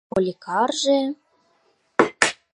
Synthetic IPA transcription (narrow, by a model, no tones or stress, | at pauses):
olʲikɑrʒĕ